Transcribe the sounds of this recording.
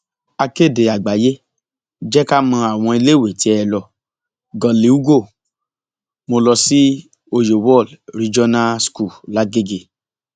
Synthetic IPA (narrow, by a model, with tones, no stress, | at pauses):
a˧ke˦˨de˨a˨ɡ͡ba˨je˦ | d͡ʒɛ˦ka˦mɔ̃˧a˨w̃ɔ̃˧i˧le˦we˨ti˦ɛ˧lɔ˧ | ɡɔ̃˨li˨u˦ɡo˦˨ | mo˧lɔ˧si˦ | o˧jo˨wɔ˦˨lɾi˧d͡ʒɔ˦nã˦sku˦˨la˨˦ɡe˦ɡe˧˨